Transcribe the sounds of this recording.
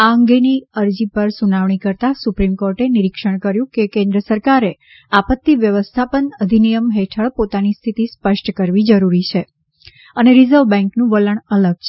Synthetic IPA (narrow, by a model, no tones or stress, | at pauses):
aəŋɡeniəɾd͡ʒipəɾsunaʋɳikəɾt̪asupɾimkoɾʈeniɾikʂəɳ̃kəɾjũkekẽnd̪ɾəsəɾkaɾe | apət̪ːiʋjəʋəst̪ʰapənəd̪ʱinijəmɦeʈʰəɭpot̪anist̪ʰit̪ispəʃʈʰkəɾʋid͡ʒəɾuɾit͡ʃʰe | əneɾizəɾʋbɛ̃ŋknũʋələɳələɡ̚t͡ʃʰe